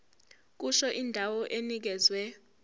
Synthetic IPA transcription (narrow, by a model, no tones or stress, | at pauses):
k̬uʃɔʔindʱawɔʔenik̬ɛːzwɛ